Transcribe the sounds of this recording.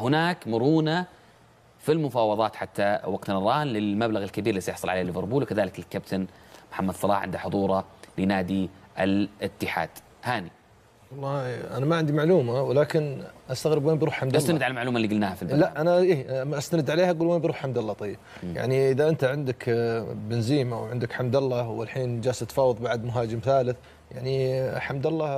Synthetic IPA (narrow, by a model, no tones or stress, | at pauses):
hʊnaːkmʊɾuːna | filmʊfɑːwɑðˤɑːt̪ħat̪ːawɑɡt̪nɑɾˤɑːnlɪlmablaɣɪlkabiːɾlːiːsajɪħsˤɑlʕaleːlːɪvɪɾbuːlwkaðaːlɪkɪlkːab̚t̪ʰanmʊħamːad̪sˤɑlɑ̰ːħʕɪ̰nd̪aħʊðˤuːɾˤɑlɪnaːd̪iʔɪlʔɪt̪ːɪħa̰ːd̪̥ | haːni | wɑlˤːɑːʔanamaʕɪnd̪imaʕluːmawɪlaːkɪnʔast̪aɣɾɪbweːmbiɾuːħħamasːt̪aɪd̪ʕalalmaʕluːmalːiɡʊlnaːhafilblaʔʔanaʔiːʔmːaʔast̪anɪd̪ʕaleːhaʔaɡuːlweːnmbɾuːħħamd̪alːɑːt̪ˤɑjːɪb̥̚ja̰ʕniʔɪðaʔɪnt̪aʕɪnd̪ɪkbɪnziːmawʕɪnd̪ɪkħamd̪alːawɪ̰lħiːnd͡ʒaːsat̪fɑːwɑðˤbaʕd̪mʊɦaːd͡ʒɪmθaːlɪθ | ja̰ʕniħamd̪alːɑː